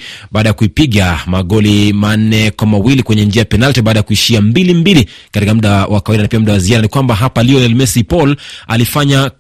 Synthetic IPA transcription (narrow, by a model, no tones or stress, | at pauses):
ɓaːɗajakuipiɠamaɠɔliman̩nɛkwamawilikwɛɲɛnd͡ʒiajapɛnaltibɓaːɗajakuiʃiambilimbilikatikamuɗawʔakawaiɗanapiam̩ɗawaziaɾanikwambaɦapaliɔɛlmɛsipɔla̰lifaɲa